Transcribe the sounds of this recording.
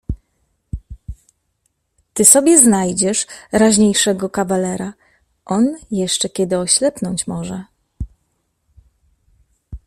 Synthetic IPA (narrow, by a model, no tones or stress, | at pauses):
t̪ɘsɔbʲjɛznajd͡ʑɛʂɾaʑɲejʂɛɡɔkavalɛɾa | ʔɔnjɛʂt͡ʂɛkʲɛd̪ɘɔɕlɛpnɔɲt͡ɕmɔʐɛ